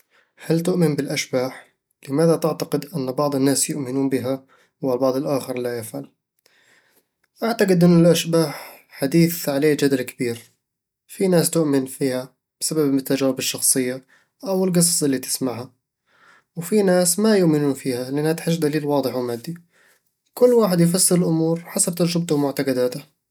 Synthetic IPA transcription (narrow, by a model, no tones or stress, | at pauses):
halt̪ʊʔmɪnbɪlʔaʃbaːħ | lɪmaːðat̪ɪʕt̪aqɪd̪ʔɪnːbɑʕd̪ˤɨnːaːsjʊʔmɪnuːnbɪɦa | walbɑʕd̪ˤɪlʔaːxɪɾlajɪfʕal | ʔaʕt̪aqɪd̪ʔɪnːalʔaʃbaːħ | ħad̪iːθʕaleːd͡ʒad̪alkɪbiːɾ | finaːst̪ʊʔmɪnfiːha | b̥ɪsababɪt̪ːad͡ʒaːɾɪbɪʃːɑxsˤɨjːa | ʔawɪlɡɨsˤɑsˤʔɪlːit̪ɪ̥smaʕha | wfinaːsmajʊʔmɪnuːnfiːhalɪʔanhat̪ħɪʃd̪aliːlwɑːd̪ˤɪħwmaːd̪ːi | kʊlːwaːħɪd̪jɪf̬ɑsːɨɾɪlʔʊmuːɾħasab̚t̪ɑɾˤʒɪb̚t̪ʊmʊʕt̪aqɑd̪aːt̪a